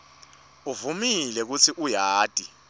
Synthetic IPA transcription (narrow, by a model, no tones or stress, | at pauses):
uvumilɛk̬ut͡sʰiʔujaːtʼi